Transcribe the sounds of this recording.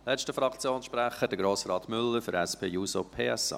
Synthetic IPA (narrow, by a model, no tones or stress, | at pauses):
lɛʃtəfɾɑkt͡sjoːnsʃpɾæχəd̥əɡɾoːsɾɑːt̪mʏlːəɾfʏɾɛspʰeːjuːsopʰeːɛsɑ̰